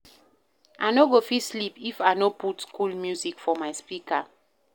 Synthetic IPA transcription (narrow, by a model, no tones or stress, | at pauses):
ʔanoɡofislipifaɪnoputskʰulmjuzikfɔmaɪspika